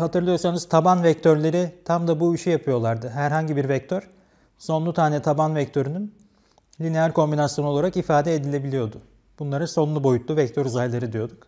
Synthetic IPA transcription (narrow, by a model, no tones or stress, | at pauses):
hat̪ʰɯɾlˠɯjo̞ɾsanɯz̥t̪ʰabanvɛc̚t̪ʰøɾlʲe̞ɾit̪ʰamd̪abuiʃyjapʰɯjo̞lˠaɾd̪ɯɦæɾɦaɲɟibiɾvɛc̚t̪ʰøɾ̥ | so̞nlˠut̪ʰaːnɛt̪ʰabanvɛct̪ʰø̞ɾynyn | lʲinejaɾʲkʰo̞mbinasjo̞no̞lˠaɾakifaːd̪ɛed̪ilʲe̞bilʲijo̞d̪ʊ | b̥unlˠaɾɯso̞nlˠubo̞jut̪ʰlˠuvɛc̚t̪ʰøɾuzajlˠeɾɯd̪ijo̞d̪uk